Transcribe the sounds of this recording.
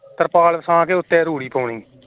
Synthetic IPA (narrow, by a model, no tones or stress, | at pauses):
t̪əɾpaːlsãːkeːʊt̪ːeːɾuːɽiːpoːɳiː